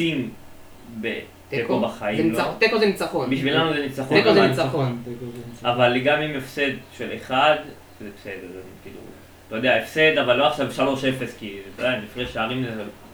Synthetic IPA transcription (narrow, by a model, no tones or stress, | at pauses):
im | be | t̪ekobaχait̪ekozenit͡saχobiʃvilanuzenit͡saχoekozenit͡saonkʔavaleɡamimefse̞d̪ʃeleχad̪ | ʃezebesed̪eʁzekḭːlṵ | t̪ojod̪eaefse̞d̪avalːoaχʃavʃalo̞ʃefe̞skitod̪eamifʁeʃaːʁime